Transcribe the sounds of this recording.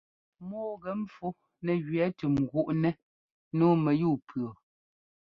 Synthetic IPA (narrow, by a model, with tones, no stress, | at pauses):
mɔː˦ɣɛ˨˦m̩˦fu˦ | nɛ˨ɣɥɛ˨˦ti˨m̩˨ɡu˦ʔnɛ˦ | noː˦mɛ˨juː˦˨pʰɰɔ˨